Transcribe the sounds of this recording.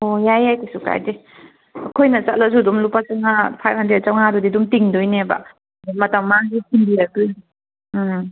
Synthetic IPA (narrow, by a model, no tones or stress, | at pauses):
ojajajtesuka̰jde | ɐkʰojnɐt͡ʃat̚las̬udumlupasɯŋapʰajphandɾed̚t͡ʃawŋadɔdidumtiŋdɔjneba̰ | dumːɐtaŋːaŋɡisinbiɾakɯj